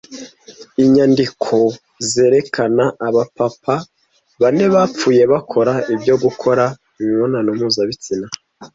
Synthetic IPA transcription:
iɲandikʰo̞ | ze̞ːɾe̞kʰanaʔaβapapʰa | βane̞βap͡fuːje̞βakʰo̞ɾaibɟo̞ɡukʰo̞ɾa | imiβonanumuːzaβit͡sina

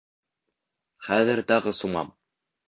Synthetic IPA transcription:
χæðɘɾt̪ɑʁɤsumɑ̰m

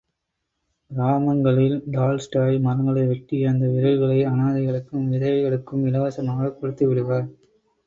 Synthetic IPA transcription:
ɾaːmɐŋɡɐɭɪld̪aːlsʈaːjmɐɾɐŋɡɐɭɐɪʋɛʈːiɐnd̪ɐʋɪɾɐɻɣɐɭɐɪɐnaːðɐɪɣɐɭɯkːɯmʋɪðɐjɐɪɣɐɭɯkːɯmɪlɐʋɐsɐmaːɣɐkːɔɽɯt̪ːɯʋɪɽɯʋaːɾ

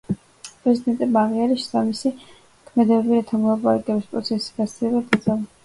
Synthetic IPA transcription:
pʼɾɛzid̪ɛnt̪ʼɛbmaːʁiaɾiʃsamisi | kʰmɛd̪ɛbɛbiɾat̪ʰamɔlˠapʼaɾa̰kʼɛbispʼɾɔt̪sʰɛsi̥ɡat̪silɛbad̪ad̪zalˠa

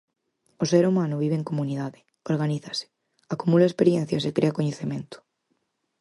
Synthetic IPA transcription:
oseɾumãnʊβ̞iβ̞eŋkomuniðaðɪ | oɾɣaniθɐsɪ̥ | akumulaespeɾjẽn̟θjasekɾeakoɲeθemẽnt̪ʊ̥

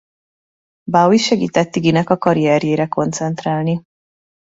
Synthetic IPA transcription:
bawiʃɛɡḭːt̪ɛt̪ːiɡinɛkɒkɒɾiɛɾjeːɾɛko̞nt̪sɛnt̪raːlni

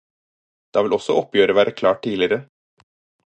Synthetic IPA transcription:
d̪̥ɑːʋɪlɔsɔ̰ʔɔpjøːɾəʋæːɾʔəkʰlɑːʈ̚tiːlɪəɾə

